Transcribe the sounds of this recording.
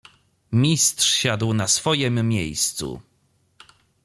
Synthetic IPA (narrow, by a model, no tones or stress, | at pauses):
mʲist̪ʂɕad̪wnasfɔjɛmːʲjḛjst̪sṵ